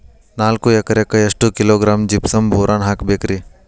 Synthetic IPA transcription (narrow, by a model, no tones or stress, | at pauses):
naːlkuekɐɾjekɐjɐʂʈukiloːɡɾaːmd͡ʒipsɐmbʱoːɾʔaːnɦaːkbekɾi